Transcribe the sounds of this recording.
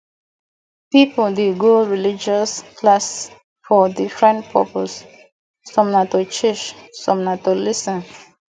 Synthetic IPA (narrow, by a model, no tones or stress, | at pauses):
pipodeɡoɹilid͡ʒɔsklas | fɔdifɹɛ̃npʰɔ̰pos | sɔ̃mnatot͡ʃet͡ʃsɔ̃mnatolisə̃n